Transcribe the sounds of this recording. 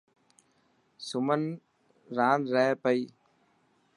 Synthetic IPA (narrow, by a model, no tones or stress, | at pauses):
sʊmɐn | ɾaːnɾɛːpɐj